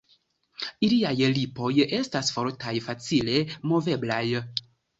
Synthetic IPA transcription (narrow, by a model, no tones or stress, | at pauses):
iliajlipo̞je̞stasfoɾtajfat͡sile̞mo̞ve̞blaj